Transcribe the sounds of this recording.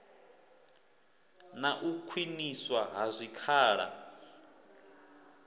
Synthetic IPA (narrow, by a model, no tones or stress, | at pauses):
naʔukʰwiniswaɦazʷikʰaːɺa̰